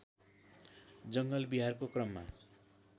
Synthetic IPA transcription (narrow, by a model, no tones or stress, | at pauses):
d͡zʌŋɡʌlbiɦarkokrʌmːa̰